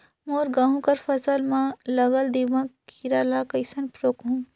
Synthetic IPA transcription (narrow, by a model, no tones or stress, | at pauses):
moːɾɡaːɦũkɐɾfɐsəlmãlɐɡəld̪iʋãkiɾaːlakɐɪsɐnpɾoːkɦũː